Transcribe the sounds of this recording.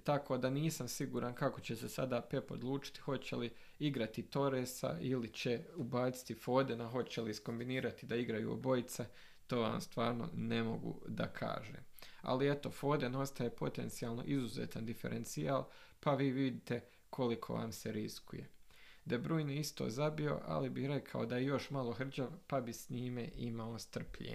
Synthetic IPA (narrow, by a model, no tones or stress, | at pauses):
t̪ako̞ːd̪aniːsamsiɡuːɾʔankako̞t͡ɕe̞sesad̪aːpe̞po̞̰d̪lˠuːt͡ʃi̥t̪i̥ho̞t͡ɕe̞li | iɡɾat̪it̪o̞ɾesa̰ilit͡ɕe̞ubaːt̪si̥t̪ifo̞ːd̪enaɦot͡ɕelisko̞mbiniːɾat̪id̪aiɡɾajṵːo̰bo̞jit̪sa | t̪o̞ːʋa̰ːmst̪ʋaːɾno̞̰ne̞mo̞̰ɡṵd̪a̰kʰa̰ːʒḛːma̰liet̪o̞fo̞ːd̪eno̞st̪ajepo̞t̪e̞nt̪sijaːlˠno̞̰ʔizuzḛːt̪and̪ife̞̰ɾʔent̪siaːlˠpaʋiːʋid̪it̪e̞ | kʰo̞likʰo̞̰ʋa̰ːmseɾiskuje̞d̪abɾuːjniist̪oːzabio̞̰ʔa̰libihɾe̞kʰao̞d̪ajejo̞ʃmalˠo̞xr̩d͡ʒaʋpabisɲiːmḛʔimao̞st̪r̩pʎḛː